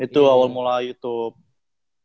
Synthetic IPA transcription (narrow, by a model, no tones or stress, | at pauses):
it̪uawalmulajut̪up̚